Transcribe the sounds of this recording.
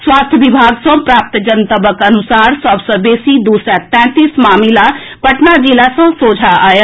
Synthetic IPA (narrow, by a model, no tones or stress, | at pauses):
swaːst̪ʰjəʋibʱaːɡsə̃pɾaːp̚t̪d͡ʒənt̪əbəkənusaːɾsəbsə̃beːsid̪uːsɾat̪ɛ̃ːt̪ismaːmila | pəʈnad͡ʒilasə̃soːd͡ʒʱaaːjə